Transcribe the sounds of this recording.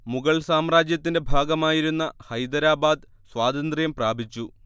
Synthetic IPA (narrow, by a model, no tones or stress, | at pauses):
muɣɐɭsaːmraːd͡ʑjɐt̪ːinde̞bʱaːɡɐmaːjiɾunːɐhɐjd̪ɐɾaːbaːd̪ | sʋaːd̪ɐnd̪rijɐmpraːbʱit͡ɕːu